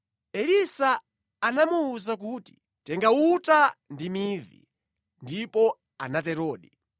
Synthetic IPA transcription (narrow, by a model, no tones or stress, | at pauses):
ɛɾisaː | namuːzak̬uːti̥ | tɛŋɡautandimiːvḭ | ndipɔ | a̰natɛɾɔːɗi